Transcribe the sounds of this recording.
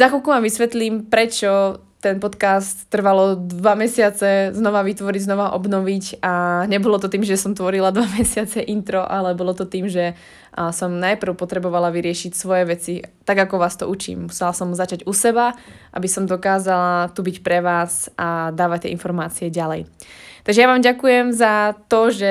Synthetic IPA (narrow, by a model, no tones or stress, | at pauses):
zaxɔlkumaʋisʋɛt̪limpɾɛt͡ʃɔ | t̪ɛnpɔt̪kaːst̪ːr̩ʋalɔd̪ʋamɛsɪat͡sɛznɔʋaʋit̪ʋɔɾiɟznɔʋaʔɔbnɔʋicaɲɛbɔlɔt̪ɔt̪iːmʒɛsɔmt̪ʋɔɾilad̪ʋamɛsɪat͡sɛʔint̪ɾɔʔalɛbɔlɔt̪ɔt̪iːmʒɛ | sɔmnajpr̩ʊpɔt̪ɾɛbɔʋalaʋiɾɪɛʃicsʋɔjɛʋɛt͡sit̪aɡakɔʋaːst̪ɔʔut͡ʃḭːmmusɛlasɔmzat͡ʃaɟusɛbaʔa̰bisɔmd̪ɔkaːzalat̪ubicpɾɛʋaːsʔad̪aːʋac̚t̪ɪɛinfɔɾmaːt͡siɛɟalɛjt̪aɡʒɛjaʋaːmɟakujɛmzat̪ɔʒɛ